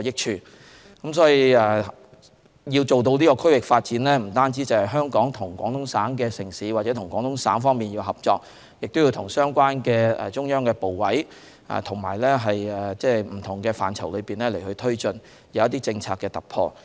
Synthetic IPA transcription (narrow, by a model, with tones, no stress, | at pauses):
jɪ˥k̚t͡ʃʰyː˧ | kɐ˨˧˥msɔː˨˥ji˨˧ɛː˨ | jiː˧wt͡so˨wt̪̬o˧wliː˥kɔː˧kʰɵ˥ɥwɪ˨k̚faː˧t̚t͡siː˨˥nlɛː˥m̩˨˩t̪aː˥nt͡siː˥t͡sɐ˨˩whɐ˨jɦœː˥ŋkɔː˨˥ŋt̪ʰʊ˨˩ŋkʷɔː˨˥ŋt̪ʰʊ˨˥ŋsaː˨˥nkɛː˧sɪ˨˩ŋsiː˨˥waː˨t̚t͡sɛː˨˥t̪ʰʊ˨˩ŋkɔː˨˥ŋt̪ʊ˧˥ŋsa̰ː˨˥nfɔː˥ŋmiː˨njiː˧wɦɐ˨p̚t͡sɔː˧k̚ | jɪ˨k̚t̪ʊ˥wjiː˧wt̪ʰʊ˨˩ŋsœː˥ŋkʷaː˥nkɛː˧ɛ̰˨t͡ʃʊ˥ŋjœː˥ŋkɛː˧po˨wwɐ˨˥j | ɛ̰ː˨˩t̪ʰʊ˨˩ŋma̰ː˨˩jlɛː˥ɦɐ˨jɛ˨˩t͡sɛː˥m̩˨˩t̪ʰʊ˨˩ŋkɛː˧fa̰ː˨nt͡sʰɐ˨˩wlɵ˨˧ɥpiː˨nlɛː˥le˨˩jhɵ˧ɥt̪ʰɵ˥ɥt͡sɵ˧n | jɐ˨˧wjɐ˥t̪iː˥t͡sɪ˧ŋt͡sʰaː˧kɛː˧t̪ɐ˨˩k̚pʰɔː˧